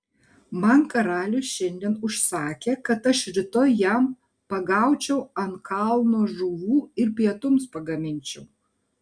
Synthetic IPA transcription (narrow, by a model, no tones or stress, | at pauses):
mɐnkɐɾɑːlʲʊsʃʲɛnʲd̪ʲiɛnʊʃsɑːkʲeːkɐt̪ɐʃɾʲɪt̪oːjjæm | pɐɡɑˑʊt͡ʃʲɛʊɐnkɐlˠnoːʒuːʋuːɪɾpʲiɛt̪ʊmspɐɡɐmʲɪnʲt͡ʃʲɛʊ